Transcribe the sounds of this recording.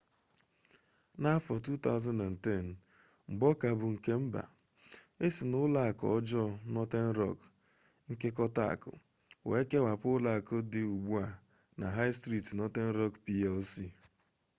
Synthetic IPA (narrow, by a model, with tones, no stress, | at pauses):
na˦fɔ˨tu˦ta˦ʊ˦za˦nda˨n̩˨tɛ˦˨n | ŋ͡m̩˨ɡ͡bɔ˦ka˨bʊ˨ŋ̩˨ke˦m̩˦ba̰˨ | e˦si˨nʊ˦la˦a˨kɔ̰˨˦d͡ʒɔ˦nɔ˦te˦n̩˦ɾɔ̰˨k | ŋ̩˦ke˦k̬ɔ˦ta˦a̰˨kʊ̰˨ | we˨˦ke˦wa˨pʊ˦la˨a˨kʊ˦dɪ˨u˨ɡ͡bu˦a˨ | na˨ɦa˦ɪ˦stɾi˦˨tnɔ˦te˦n̩˦ɾɔ˦kpi˦ɛ˦lsi˦˨